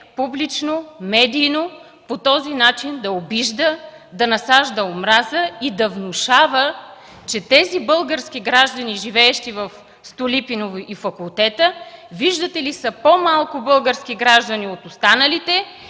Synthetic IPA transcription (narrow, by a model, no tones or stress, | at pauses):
publit͡ʃnomɛd̪iːno | pot̪ɔzinat͡ʃind̪ɐobiʒd̪ə | d̪ɐnɐsaʒd̪əomɾazəid̪ɐvnʊʃavə | t͡ʃɛt̪ɛzibɤlˠɡəɾsk̟iɡɾaʒd̪əniʒivɛːʃt̪ivəf | st̪ʊlipinovʔifɐkulˠt̪ɛt̪əviʒd̪ət̪ɛlisəpomalˠkʊbɤlˠɡəɾsk̟iɡɾaʒd̪əniot̪ost̪anəlit̪ɛ